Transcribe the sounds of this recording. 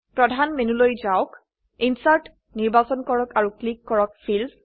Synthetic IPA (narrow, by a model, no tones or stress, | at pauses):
pɹɔdʱanmenulojzaʊk | insaɹt | niɹbasɔnkɔɹɔkaɹuklikːɔɹɔk̚fʰil